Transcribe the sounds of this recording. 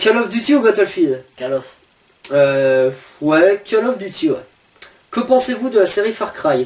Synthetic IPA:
kʲalɔfd̪yt̪iubat̪ɛlfid̪alɔf | ø | wɛkʲʰalɔfd̪yt̪ʰiwɛ̰ | kəpɑ̃sevud̪əlaseʁifaʁkχaj

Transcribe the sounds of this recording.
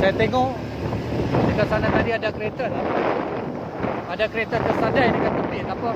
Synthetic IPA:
sajat̪eŋɔʔ | dəkasanat̪adiadakəɾet̪ala | adakəɾet̪at̪əsadajdəkanp̪əpɪt̪apa

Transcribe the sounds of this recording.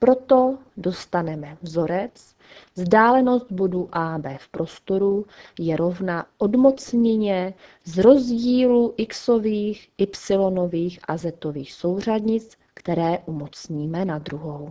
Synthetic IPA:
pɾo̞t̪o̞ | do̞st̪anɛmɛvzo̞ɾɛt͡s | zdaːlɛno̞st̪̚bo̞duʔaːbɛːfpɾo̞st̪o̞ɾujɛɾo̞vnaʔodmo̞t͡sɲɛɲɛ | zɾo̞zɟiːluʔɪksoviːxʔɪpsɪlo̞no̞viːxʔazɛt̪o̞viːxso̞wr̝adɲɪt͡s | kt̪ɛɾɛːʔumot͡sɲiːmɛnad̪ɾuɦow

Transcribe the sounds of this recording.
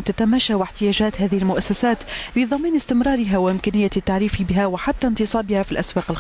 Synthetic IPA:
t̪at̪amaʃawɪħt̪ɪjaːʒaːt̪ɦaːðɪhɪlmʊʔasːasaːt̪lɪðˤɑmiːnɪst̪ɪmɾɑːɾɪɦawɪʔɪmkaːnɪjːat̪ːaʕɾiːfibɪɦawɪħat̪ːant̪ɨsˤɑːbɪhafilʔaswaːqɪl

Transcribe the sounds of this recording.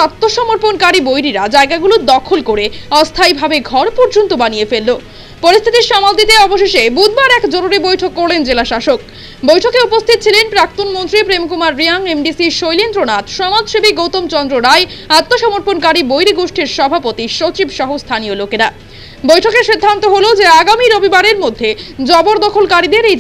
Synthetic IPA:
at̪ːoʃɔmoɾponkaɾibojɾiɾad͡ʑaeɡaɡulod̪ɔkʰolkoɾeɔst̪ʰaibʱabeɡʱɔɾpɔɾd͡ʑont̪obaniefelːo | poɾist̪ʰit̪iɾʃɔmald̪it̪eɔboʃeʃebud̪baɾɛkd͡ʑoɾuɾebojʈʰokːoɾlend͡ʑelaʃaʃok | bojʈʰokeupost̪ʰit̪̚t͡ɕʰilenpɾak̚t̪onmont̪ɾipɾemkumaɾːiaŋemɖisiʃojlint̪ɾonat̪ʃɔmad͡ʑʃebiɡowt̪omt͡ɕɔnd̪ɾoɾaeat̪ːoʃɔmoɾponkaɾibojɾiɡoʃʈʰiɾʃɔbʱapot̪iʃot͡ɕibʃɔɦost̪ʰaniolokeɾa | bojʈʰokeʃid̪ʱːant̪oɦolod͡ʑeaɡamiɾobibaɾeɾmod̪ʱːed͡ʑɔboɾd̪ɔkʰolkaɾid̪eɾe

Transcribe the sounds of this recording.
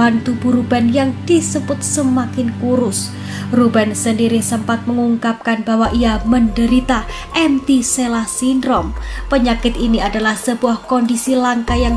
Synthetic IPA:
ant̪ub̥uɾubanjaŋd̥isəbʊt̪̚səmakɪnkuɾʊs | rubansəndiɾisəmpat̪̚məŋuŋkap̚kanbawaʔiaməndəɾit̪a | ʔɛmt̪iselasindɾɔmpəɲakɪt̪iniadalahsəbuahkɔndisilaŋkajaŋ

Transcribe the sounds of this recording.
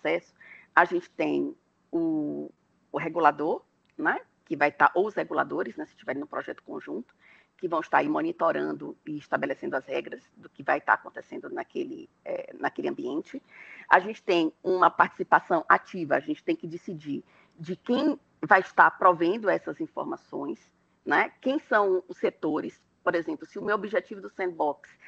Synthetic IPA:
sɛsʊ̥aʒẽnt͡ʃɪ̥t̪ẽj̃ | ʊː | ɦeɡulad̪oɾ | nɛ | kɪvajt̪aɾʔowzheɡula̰d̪oɾɪznɛsɪʃt͡ʃivɛɾĩñũpɾɔʒɛt̪ʊ̥kõʒũnt̪ʊ̥ | kɪvɐ̃w̃ɪʃt̪aɾiɾmonit̪oɾɐ̃nd̪ʊɪːʃt̪abelesẽd̪ʊɐzhɛɡɾɐzd̪ʊkɪva̰jt̪a̰ɾakõnt̪esẽnd̪ʊnakelɪ̰ | ɛ̰nakeliɐ̃mbiẽnt͡ʃɪa̰ʒẽnt͡ʃɪ̥t̪ẽj̃ũmɐpaɾt͡ʃi̥sipasɐ̃w̃ʔat͡ʃivɐaʒẽnt͡ʃɪ̥t̪ẽj̃kɪd͡ʒɪsid͡ʒiɾ | d͡ʒɪkẽj̃ | vajɪʃt̪aɾpɾovẽnd̪ʊɛsɐzĩfo̰ɾmasõ̰j̃s | nɛkẽj̃sɐ̃w̃ʊsːet̪oɾɪs | poɾezẽmplʊsɪʊmewobiʒet͡ʃivʊd̪ʊsẽnd̪̚bɔks

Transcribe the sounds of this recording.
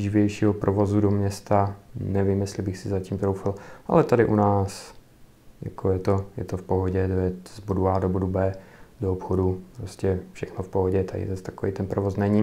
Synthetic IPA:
ʒɪvjɛjʃiːɦopɾʔovo̞zudomɲɛst̪anɛvimjɛst̪lɪbɪxsɪzaciːmt̪ɾowfɪlʔa̰lɛt̪adɪʔunaːs | ja̰kʰojɛt̪ojɛ̰t̪ofpoɦoɟɛdojɛzboduaːdobodubɛːdoopxodupɾoscɛfʃɛxnofpoɦoɟɛt̪adɪ̰zast̪akoviːt̪ɛnpɾovo̞snɛɲi

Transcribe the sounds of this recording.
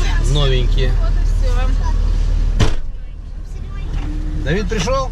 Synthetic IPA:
novʲɪɲʲkʲɪ | d̪ɐvʲit̪̚pɾʲɪʂolˠ

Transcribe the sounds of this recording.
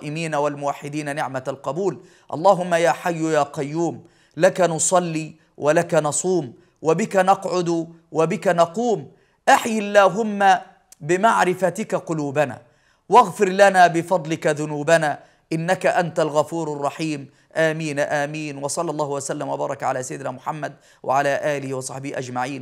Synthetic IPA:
ʔɪmiːnawalmʊwaħːɪd̪iːnanɪʕmaalqɑbuːl | ʔɑ̰lˤːɑːɦʊmːajaːħajːʊjaːqɑjːuːm | lakanʊsˤɑlːiː | wʔalakanɑsˤuːm | wabɪkanɑqʕʊd̪ | wabɪkanɑquːm | ʔaħjɪlːaːɦʊmːa | bɪmaʕɾɪfat̪ɪkaqʊluːbana̰ː | waɣfɪɾlanaːbɪfɑd̪ˤlɪkaðʊnuːbanaː | ʔɪnːakaʔant̪alɣafuːɾɑrˤːɑħiːm | ʔaːmiːnʔaːmiːnwɑsˤɑlːɑlˤːɑːhʊwasalːamwabɑːɾˤɑkʕa̰laːsajɪd̪ɪnaːmʊħamːad̪ | wʔa̰ʕalaːʔaːlɪhiwɑsˤɑħbɪhiʔad͡ʒmaʕiːn

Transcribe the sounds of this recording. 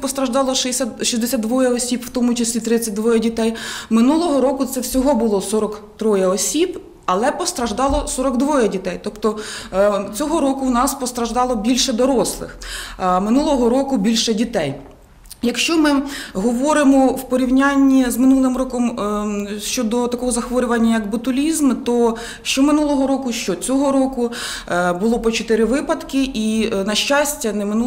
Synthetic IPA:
pɔst̪ɾɐʒd̪ɑlˠɔʃɪsʲaʃizd̪esʲat̪d̪ʋɔjɐɔsʲipwt̪ɔmʊt͡ʃɐsʲlʲit̪ɾɪt͡sʲːɐt̚ʲd̪ʋɔjɐdʲit̪ɛjmɪnulˠɔɦɔɾɔkʊt̪sɛwsʲɔɦɔbʊlˠɔsɔɾɔkt̪ɾɔjɐɔsʲib | ɐlˠɛpɔst̪ɾɐʒd̪ɑlˠɔsɔɾɔɡd̪ʋɔjɐdʲit̪ɛjt̪ɔpt̪ɔ | t͡sʲɔɦɔɾɔkʊwnɑspɔst̪ɾɐʒd̪ɑlˠɔbʲilʲʃɛd̪ɔɾɔslˠɪ̰xmɪnulˠɔɦɔɾɔkʊbʲilʲʃɛdʲit̪ɛj | jɐkʃt͡ʃɔmɪɦɔʋɔɾɪmɔwpɔɾʲiwnʲanʲːizmɪnulˠɪmrɔkɔm | ʃt͡ʃɔd̪ɔt̪ɐkɔɦɔzɐxʋɔɾʲʊʋɐnʲːɐjɐkbʊt̪ʊlʲizmt̪ɔ | ʃt͡ʃɔmɪnulˠɔɦɔɾɔkʊʃt͡ʃɔt͡sʲɔɦɔɾɔkʊ | bʊlˠɔpɔt͡ʃɔt̪ɪɾɪʋɪpɐt̪kɪʔinɐʃt͡ʃɑsʲtʲːɐnɛmɪnu

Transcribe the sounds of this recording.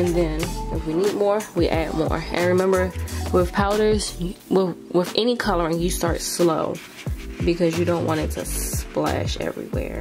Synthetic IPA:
ɨ̃nðɨ̃nɪfwinid̚mɔɹwiʔæd̚mɔ̰ɹãɪɹɨmɛ̃mbə˞wɪð̥pʰaʊɾə˞z̥wɪwɪðɛnikʰʌlˠə˞ɨ̃njɨstɑɹtsloʊ | bɨkʰʌzjɨɾõʊ̃nʔwɑ̃ɾ̃ɨtʰɨ̰splæ̰ʃɛ̰vɹḭwɛ̰ɹ

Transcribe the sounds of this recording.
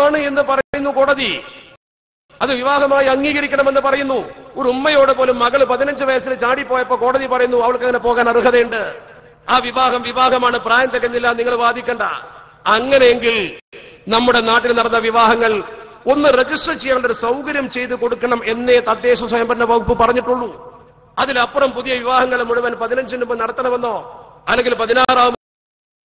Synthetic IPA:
aːɳɨe̞nːɨpɐrɐjnːuko̞ːɽɐði | ɐðɨʋiʋaːɦɐmaːjiɐŋːiːɣɐɾikʲːɐɳɐme̞nːɨpɐrɐjunːuoɾumːɐjo̞ːɽepo̞ːlumːɐɣɐɭpɐðinɐɲd͡ʑɨʋɐjɐsilt͡ɕaːɽipːoːjɐpːoːko̞ːɽɐðipɐrɐjunːuɐʋɐɭk̬ːɐŋːɐne̞po̞ːɣaːnɐruɦɐðɐjɳɖɨ | aːʋiʋaːɦɐmʋiʋaːɦɐmaːɳɨpraːjɐnt̪ɐkːɐnːilːaniŋːɐɭʋaːd̪ʱikʲːɐɳɖɐ | ɐŋːɐne̞eŋɡil | nɐmːuɽe̞naːʈːilnɐɽɐnːɐʋiʋaːɦɐŋːɐɭ | o̞nːɨre̞d͡ʑisʈrɐt͡ɕejːaːnɳɖoɾusɐwkɐɾjɐmt͡ɕe̞jt̪ːuko̞ɽukːɐɳɐme̞nːe̞t̪ɐd̪ːe̞ːɕɐswɐjɐmbɐɾɐnːɐpɐɣupːɨpɐrɐɲːiʈːuɭːu | ɐðilɐpːrɐmpuðijɐʋiʋaːɦɐŋːɐɭmːuɻuʋɐnpɐðinɐɲd͡ʑinːumboːnɐɽɐt̪ːɐnɐʋɐnːo̞ːɐlːeŋɡilpɐðinaːraːʋum

